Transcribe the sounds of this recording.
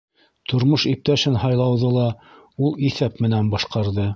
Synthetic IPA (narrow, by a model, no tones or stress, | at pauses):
t̪ŏɾmoʃip̚t̪æʃɘnhɑjlˠɑwðɤlˠɑ | ulˠiθæpmɘ̆nænbɑʃqɑɾðɤ